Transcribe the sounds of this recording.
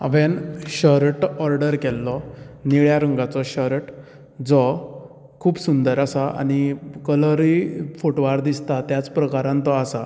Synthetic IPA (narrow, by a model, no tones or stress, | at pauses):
a̰ʋɛnɕɔɾʈɔɾɖəɾkɛlːɔniɭjaɾuŋɡat͡sɔɕɔɾʈ | d͡zɔ | kʰuːbsund̪əɾasaa̰ñikələɾifoʈʋaɾd̪ist̪at̪jat͡spɾəkaɾãnt̪ɔasa